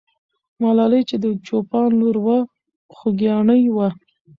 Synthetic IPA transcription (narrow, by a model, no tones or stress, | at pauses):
mɑlɑləjt͡ʃed̪ət͡ʃopɑnloɾwa | xʊɡjɑɳəjwa